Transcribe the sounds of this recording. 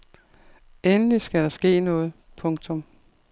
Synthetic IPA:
enlisɡ̥æɾɑ̈sɡ̥e̝̰ːnɔ̽ːð̞̩ˠ | pʰɔ̽ŋt͡sʰɔ̽m

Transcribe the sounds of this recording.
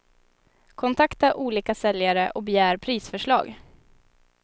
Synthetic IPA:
kʰɔnt̪ʰakt̪aʔuːliːkasɛljaɾəʔɔk̚bɛjæːɾpʰɾiːsfœʂɭɑ̰ːɡ

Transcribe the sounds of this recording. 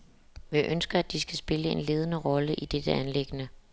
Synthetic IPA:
ʋiʔønsɡ̥ɐæd̥isɡ̥æsb̥e̝ləe̝nle̝ːðˠənəʁɒ̽ləʔid̥ed̥əænle̝ɡ̥ənə

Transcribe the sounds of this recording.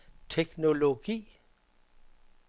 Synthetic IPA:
tʰekno̝loɡ̥ḭː

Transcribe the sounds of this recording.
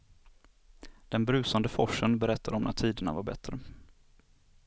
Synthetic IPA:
d̪̥ɛnbɾʉ̟ːsand̪əfɔʂənbɛɾɛt̪ːad̪ɔmnʔa̰t̪ʰiːd̪əɳavaɾbɛ̰t̪ːɾə

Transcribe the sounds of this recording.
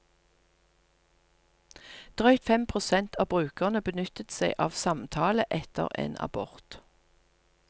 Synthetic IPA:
d̪̥ʁœʏt̪fɛmpʰʁʊsɛnt̪ʰɑːbʁʉːkəʁnəbənʏt̪ət̪seɪʔɑːʋsɑmt̪ʰɑːləʔɛt̪ə̰ʁḛːnɑ̰bɔʁt̪

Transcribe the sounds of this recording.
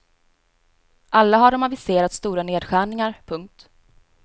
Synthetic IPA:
ʔalːaɦaɖɔmavɪseːɾat̪st̪uːɾaneːd̪ɧæːɳɪŋaɾpʰɵŋk̚t̪

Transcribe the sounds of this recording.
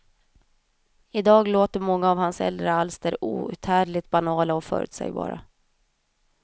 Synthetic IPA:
ɪd̪ɑːɡloːt̪əɾmɔŋːaːvhansɛ̰ld̪ɾəalsd̪æːɾuːʉ̟̰t̪hæːɖɭɪt̪̚banɑːlaɔfœ̰ːɾʉ̰ːt̪sɛ̰jbɑ̰ːɾa̰

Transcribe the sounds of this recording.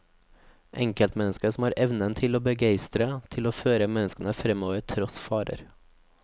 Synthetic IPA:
ʔɛŋkəlt̪mɛnəskəsɔmhɑːɾʔɛʋnənt̪ʰɪloːbəɡæɪst̪ɾət̪ʰɪloːføːɾəmɛnəskənəfɾɛmoːʋəɾt̪ʰɾɔsfɑːɾə̰ɾ

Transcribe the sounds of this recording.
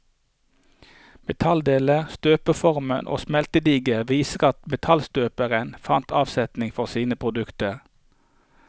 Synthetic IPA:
mɛt̪ʰɑld̪eːləʁst̪øːpəfɔʁmənʔo̰ːsmɛlt̪əd̪iːɡəʋiːsəʁɑt̪mɛt̪ʰɑlst̪øːpəʁənfɑnt̪ɑːʋsɛt̪nɪŋfɔʁsiːnəpʰʁʊd̪ʉkt̪əʁ

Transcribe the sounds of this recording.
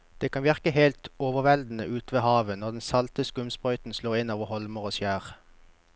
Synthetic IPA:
d̪̥eːkʰɑnʋɪʁkəɦeɪlt̪oːʋəʁʋɛld̪n̩əʔʉːt̪ʋeːhɑːʋənɔʁd̪ɛnsɑlt̪əskʊmspʁœʏt̪n̩sloːʁɪnoːʋəhɔlməʁoːsjæːʁ

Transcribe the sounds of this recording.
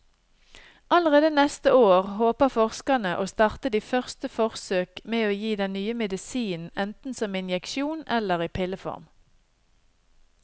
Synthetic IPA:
ʔɑləʁeːd̪ənɛst̪əoːʁhoːpəʁfɔʁskɑnəʔoːst̪ɑʁt̪əd̪iːfœʁst̪əfɔʁsøːkmeːoːjiːd̪ɛnnyːəmɛd̪ɪsiːn̩ɛnt̪n̩sɔmɪnjɛkʃuːnɛləʁiːpʰɪləfɔ̰ʁm

